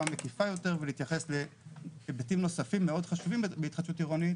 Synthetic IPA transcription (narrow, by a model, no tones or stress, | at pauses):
amekifajo̞te̞ʁveliːt̪jaχe̞slebetimno̞safimːeo̞dχaʃuvimbeit̪χad̪ʃutiʁonit